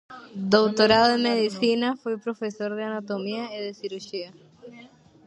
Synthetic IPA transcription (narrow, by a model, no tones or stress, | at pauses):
d̪owt̪o̞ɾaðoðemeðisinafwepɾo̞fe̞so̞ɾðeanot̪omiaeðesiɾuʃia